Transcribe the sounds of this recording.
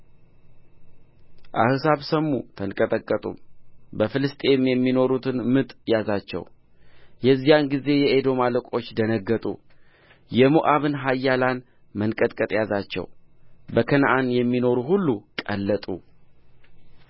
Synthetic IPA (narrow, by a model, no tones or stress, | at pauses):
ʔa̰hɨsaβsəmːṵt̪ʰənkʼət̪ʼəkʼːət̪ʼṵmbəfɨlɨst̪ʼe̞mjɛmːino̞ɾut̪ʰɨnmɨt̪ʼjazat͡ʃːɛ̰w | jɛzːijanɡize̞jɛʔed̪o̞maləkʼo̞t͡ʃːd̪ənəɡːət̪ʼṵ | jɛmuʔaβɨnɦajːalan | mənkʼət̪ʼkʼət̪ʼjazat͡ʃːɛ̰wbəkʰənʔanjɛmːino̞ɾuɦulːukʼəlːət̪ʼṵ